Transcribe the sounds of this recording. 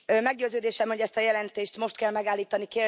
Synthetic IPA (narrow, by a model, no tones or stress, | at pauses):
mɛɡɟøːzøːd̪eːʃɛmhoɟɛst̪ɒjɛlɛnt̪eːʃt̪mo̞ʃt̪̚kɛlmɛɡaːlːiːt̪ɒnikeː